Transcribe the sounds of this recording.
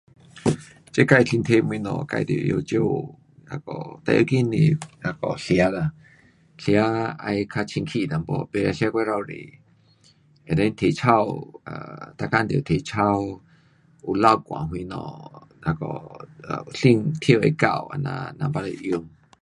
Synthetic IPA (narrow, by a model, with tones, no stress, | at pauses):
t͡ʃe˦ka˧˨jɬi˧nt̪ʰe˦˧mwĩ˧nɔ̰̃˧˨ka̰˧jd̪o̰˧˨ʔjo˧˨t͡ʃjo˦˧ | la˧kɔ̰˨t̪a̰˧ʔo˧ki˦nĩ˧la˧kɔ˨ɬja˦la˧ | ɬja˦a˧jkʰa˧t͡ʃʰĩ˧ŋkʰi˦˨d̪a˨mbɔ˧pe˧ɾa˧ɬja˦kʷe˦ɾa˧wɾḛ˨ | e˨ɾa˧˦nt̪ʰe˧˨t͡ʃʰa˦˧wa˨t̪a˧kã˦˧nd̪o˨t̪ʰe˧˨t͡ʃʰa˦˧w | u˧˨la˦˧wkʷã̰˨ɦwĩ˧nɔ̰̃˧˨la˧kɔ̰˧˨ | ɬi˧ŋt̪ʰjo˦˧ʔe˧˦ka̰˧wa˧nã̰˧nã˧ba˧la˧ʔjo˧m